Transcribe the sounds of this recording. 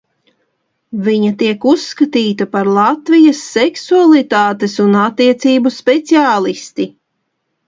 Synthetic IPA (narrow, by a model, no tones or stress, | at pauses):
viɲat̪iɛkusːkat̪iːt̪apaɾlˠat̪vijɐsːɛksualˠit̪aːt̪esunat̪ːiɛt̪siːbuspɛt̪siaːlˠist̪i